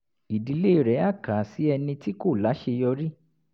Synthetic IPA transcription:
i˨di˨˧˦le˦i˨ɾɛ˨˦a˦˨ka˨si˨˦ɛ˧nĩ˧ti˦ko˦˨la˨˦ʃe˧jɔ˧ɾi˦

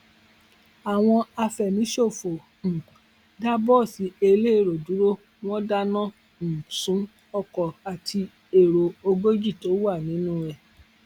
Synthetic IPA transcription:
a˨w̃ɔ̃˧a˧fɛ˨mĩ˨˦ʃo˦˨fo˨ | n̩˨ | da˦bɔ˦˨si˨e˧le˦e˦˨ɾo˨du˨˦ɾo˦ | w̃ɔ̃˦da˦nɔ̃˦ | n̩˨sũ˨˦ | ɔ˦˨kɔ˨a˨tʰi˧ | e˨ɾo˨o˧ɡo˦d͡ʒi˦˨to˨˦wa˦˨nĩ˨˦nũ˦ɛ˨

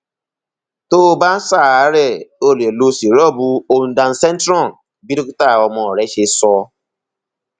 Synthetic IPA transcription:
to˦ba˦n̩˦saː˦˨a˨˦ɾɛ˦˨o˦˨le˨lo˦si˨ɾɔ˦˨bu˧o˦n̩˨dã˧n̩˦sɛ˦n˦tɾɔ˦˨ | bi˦ɾi˦ku˦ta˦˨ɔ˧mɔ˨ɾɛ˦ʃe˧sɔ˦

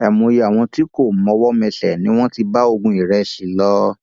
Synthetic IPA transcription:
ɛ˨mo˧je˧a˨w̃ɔ̃˧ti˨˦ko˦˨mɔ̃˧wɔ˦mɛ̃˧ɬɛ˨nĩ˦w̃ɔ̃˦ti˧ba˦o˧ɡũ˧˦i˨ɾɛ˧˨ʃi˨˦lɔ˦

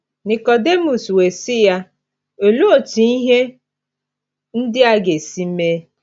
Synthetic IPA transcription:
ni˨ko˨de˦mu˨swe˨sɪ˦ja˦ | o˨lu˦o˨ti˨i˦ɦe˦ | n̩˦dɪ˦a˦ɡe˨si˦me˦

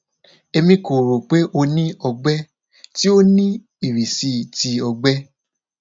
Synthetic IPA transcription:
e˧mĩ˧ko˨ɾo˨k͡pe˦ʔo˧nĩ˦ɔ˧ɡ͡bɛ˦ | ti˦o˦nĩ˦ | i˦˨ɾi˨si˧˦˨ti˧ɔ˧ɡ͡bɛ˦

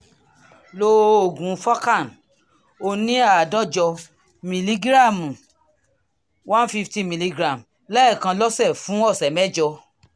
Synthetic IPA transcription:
lo˧˦o˨ɡũ˨˧fa˦ka˦˨n | o˧nĩ˦a˦˨dã˦d͡ʒɔ˧ | mĩ˨li˧ɡɾa˦˨mũ˨ | wã˦fi˧fti˦mĩ˧li˧ɡɾa˨m | lɛ˦ɛ˦˨kã˧lɔ˦sɛ˦˨fũ˨˦ɔ˦˨sɛ˨mɛ˦d͡ʒɔ˧

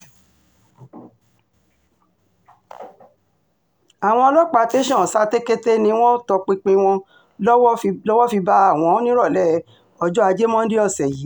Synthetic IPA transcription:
a˨w̃ɔ̃˧ɔ˧lɔ˦k͡pa˧te˦ʃɔ̃˦˨sa˦te˦ke˦te˦nĩ˧˦w̃ɔ̃˦tɔ˧k͡pĩ˧k͡pĩ˧w̃ɔ̃˧ | ɔ˦wlɔ˦wɔ˦fi˧ba˧˦a˦˨w̃ɔ̃˨˦nĩ˦ɾɔ˦˨lɛ˦˨˦ | ɔ˧d͡ʒɔ˦a˧d͡ʒe˦mɔ̃˦n̩˦di˦ɔ˦˨sɛ˨ji˨˦

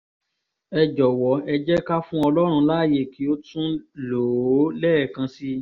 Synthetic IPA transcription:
ɛ˧d͡ʒɔ˨wɔ˨ɛ˧d͡ʒɛ˦ka˦fũ˦ɔ˧lɔ˦ɾ̃ũ˧la˦˨je˦˨ki˦o˦tũ˦lo˨˦lɛː˦˨kã˧si˦

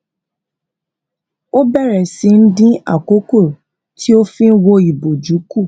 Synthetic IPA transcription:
o˦bɛ˦˨ɾɛ˨sĩ˧n̩˦dĩ˦a̰˦˨ko˨˦ko˦˨ | tʰi˦o˦fĩ˦wo˧i˨bo˨d͡ʒu˨˦ku˦˨

